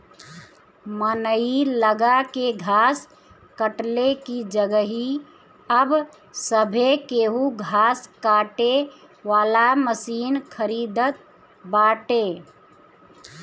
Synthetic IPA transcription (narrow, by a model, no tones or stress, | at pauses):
mənəiləɡakeɡʱaːs | kəʈlekid͡ʒəɡəɦi | əb | səbʱekeːɦuɡʱaːskaːʈe | ʋaːlaməsiːnkʰəɾiːd̪ət̪̚ | baːʈe